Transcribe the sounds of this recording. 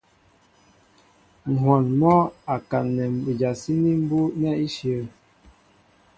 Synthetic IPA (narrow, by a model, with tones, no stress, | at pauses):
ŋ̩˨ɦwa˨nmɔ˦a˨ka˨nːɛ˨m˨bi˨d͡ʒa˨si˦ni˦m̩˦bu˦nɛ˦i˦ʃjə˨